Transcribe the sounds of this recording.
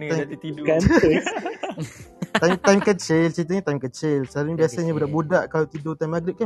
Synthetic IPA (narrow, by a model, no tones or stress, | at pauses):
aka | ajmt̪ajmkət͡ʃɪlt͡ʃɾit̪əɲãt̪ajmkət͡ʃɪlsaɾuɲabiasaɲabudaʔbudaʔkalat̪idot̪ajmaɡɾɪp̚kan